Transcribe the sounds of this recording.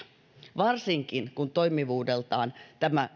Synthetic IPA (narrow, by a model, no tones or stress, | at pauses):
ʋɑrsiŋkinkunt̪oimiʋuːdelt̪ɑːnt̪æmæ